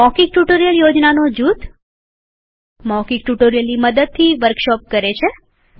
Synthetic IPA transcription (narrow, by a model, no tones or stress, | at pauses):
mɔkik̚ʈuʈoɾijəljod͡ʒnanod͡ʒut̪ | mɔkikʈuʈoɾijəlniməd̪əd̪̚t̪ʰːiʋəɾkʃɔp̚kəɾet͡ʃʰe